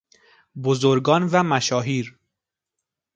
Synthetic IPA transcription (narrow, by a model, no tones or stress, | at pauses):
bozoɾɡɒːnvæmæʃɒːɦiːɾ